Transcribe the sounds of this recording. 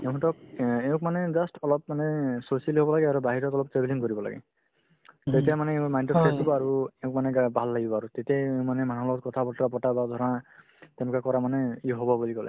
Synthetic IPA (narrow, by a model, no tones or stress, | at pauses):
eʊ̃kʰɔtɔk̚eʊ̃kmanɛdastʰɔlɔp̚manɛsosialiɦobɔlaɡɛaɹubaɦiɹɔtɔlɔp̚tɹebiliŋkoɹibɔla̰ɡɛ̰ | tetijamanɛẽmajntɔɔsʰesɔbɔaɹueʊ̃k̚manɛɡbʱalːaɡibɔaɹutetijaeʊ̃manɛmanɔlɔt̚kɔt̪ʰabɔtɹabɔtabad̪ʱɔɹɔna | t̪ɛnɔkakɔɹamanɛiɦobɔbulikɔlɛ̰